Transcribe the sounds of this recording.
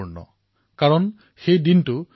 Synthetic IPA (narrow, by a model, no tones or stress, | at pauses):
uɹnɔ̰ | kaɹɔn | xejdintu